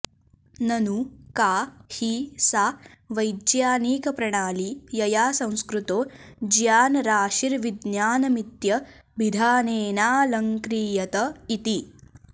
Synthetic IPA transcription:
nɐnukaːhisaː | ʋɐjd̪jaːniːkɐpɾɐɳaːlijɐjaːsɐ̃w̃skɾut̪oːd͡ʒjaːnɐɾaːʃiɾʋid̪njaːnɐmit̪jɐ | bid̪ʱaːneːnaːlɐŋkɾiːjɐt̪ɐit̪i

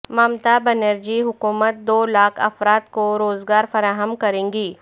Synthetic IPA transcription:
mamt̪abɛnəɾd͡ʒiɦʊkuːmət̪̚d̪oːlaːkʰɐ̰fɾaːt̪koɾoːzɡaːɾfɐɾaːɦəmkɐɾẽːŋɡiː

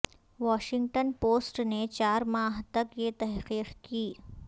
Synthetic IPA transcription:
ʋɔːʃɪ̃ŋɡ̚ʈənpoːsʈnet͡ʃaːɾmaːɦt̪ɐkjet̪ɛɦqiːqkiː

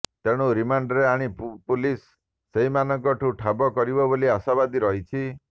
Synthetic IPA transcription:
t̪eɽ̃uɾimaɳɖɾeaɽ̃ippulisː | eɦimanɔŋkɔʈʰuʈʰabɔkɔɾibɔboliasabad̪iɾɔɦit͡ʃʰi

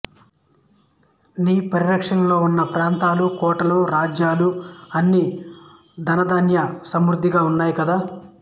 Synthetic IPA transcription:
niːpɐɾiɾɐkʂɐnɐlo̞ːunːɐpɾaːnt̪aːlukɔːʈɐluɾaːd͡ʒjaːluɐnːi | d̪ʱɐnɐd̪aːnjɐsɐmɾud̪ʱːiɡaːunːaːjikɐd̪aː

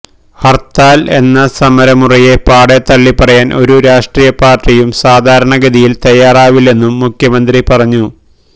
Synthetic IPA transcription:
hɐrt̪aːle̞̰nːɐsɐmɐɾɐmurije̞paːɽet̪ɐɭːipɐrɐjaːnʔo̞ɾuɾaːʂʈriːjɐpaːrʈrijumsaːd̪ʱaːɾɐɳɐɡɐðijilt̪ɐjːaːraːʋile̞nːumːukʰjɐmɐnd̪ripɐrɐɲːu

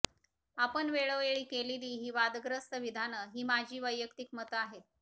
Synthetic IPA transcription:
apənʋeɭoeɭiːkeliliːɦiːʋad̪ɡɾəst̪əʋid̪ʱanəɦiːmad͡ʑʱiːʋəjːəkt̪iːk̚mət̪aɦe

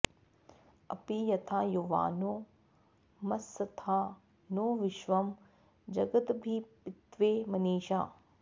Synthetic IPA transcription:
ɐ̰pijɐt̪ʰaːjuʋa̰ːnoː | mɐsːɐt̪ʰaː | noːʋɪʃʋɐm | d͡ʑɐɡət̪bʱipɪt̪ʋeːmɐneːʃa̰ː

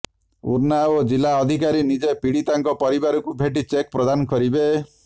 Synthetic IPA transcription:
ṵɾnaod͡ʒilaɔd̪ʱikaɾinid͡ʒepiɽit̪aŋkɔpɔɾibaɾɔkubʱeʈ̬it͡ʃek̚pɾɔd̪anɔkɔɾibe

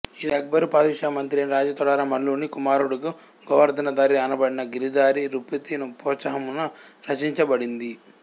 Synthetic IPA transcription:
id̪ɐɡ̚bɐɾupaːd̪iʃaːmɐnt̪ɾijɐniɾaːd͡ʒɐt̪ɔɽaːɾɐmɐɭːuːnikumaːɾuɽuku | ɡɔʋɐɾd̪ɐnɐd̪aːɾiɐnɐbɐɽinɐɡiɾid̪aːɾiɾupit̪inupɔːsɐɦɐmunɐɾɐt͡ʃiɲt͡ʃɐbɐɽind̪i

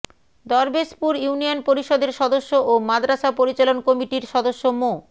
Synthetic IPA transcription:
d̪ɔɾbespuɾjunijonpoɾiʃɔd̪eɾʃɔd̪oʃːoʔomad̪ɾaʃapoɾit͡ɕalonkomiʈiɾʃɔd̪oʃːomo

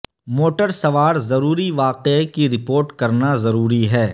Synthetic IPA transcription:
moːʈəɾsɐʋaːɾzɐɾuːɾiʋaːqekiɾɪpoːɾʈkɐɾnazɐɾuːɾiɦɛː

